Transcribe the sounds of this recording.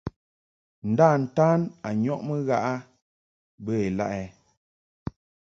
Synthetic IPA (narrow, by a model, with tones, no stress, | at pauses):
n̩˨daː˦˨n̩˨taː˦na˨ɲɔ˦ʔmə˦ɣa˦ʔa˦ | bə˦e˨la̰˦ʔɛ˨